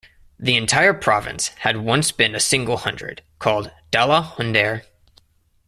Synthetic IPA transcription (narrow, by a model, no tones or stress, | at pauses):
ðiɨ̃ntʰaɪə˞pʰɹ̥ɑvɨ̰̃nshɨd̚wʌ̃nsb̥ɨ̃nɨsɪ̃ŋɡl̩ˠhʌ̃ndɹɨ̰d̥kʰɔlˠdd̥ɛlˠəhʊ̃ndɛɹ